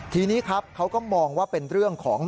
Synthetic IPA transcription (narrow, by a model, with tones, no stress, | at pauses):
t̪ʰiː˧niː˦˥kʰa˦˥p̚kʰa˦˥wkɔː˥˩mɔː˧ŋwaː˥˩pe˧nɾɯ˥˩əŋkʰɔː˩˦ŋ